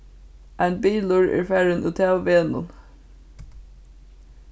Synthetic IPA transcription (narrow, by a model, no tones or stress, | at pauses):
ʔæɪnbiːlʊɹḛːɹfæɹənʔut̪ʰæːʊʋeːnʊ̰n